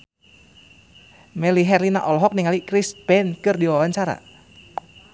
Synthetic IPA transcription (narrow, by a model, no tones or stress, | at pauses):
mɛliɦɛrlinaʔɔlɔɦɔk̚niŋalikɾispɛnkɨrdiwawaɲt͡ʃaɾa̰